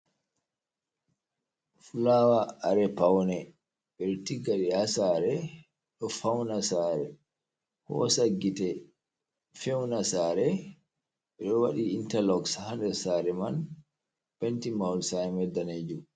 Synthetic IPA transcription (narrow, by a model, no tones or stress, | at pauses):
fulawaaɾɛpawnɛ | ɓɛɾtiɡaɗiasaɾɛ | ɗɔfawnasaɾɛ | hɔ̰saɡitɛ | fɛwnasaɾɛ | ɓɛɗɔwa̰ɗiintalɔkshanɗɛsaɾɛman | pɛntimawlsamɛdaned͡ʒu